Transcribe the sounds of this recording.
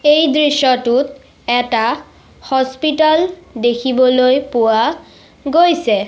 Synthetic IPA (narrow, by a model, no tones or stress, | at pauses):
ejdɹiʃɔtʊt | ɛta | hɔspitaldekʰibɔlojpʊwa | ɡojsɛ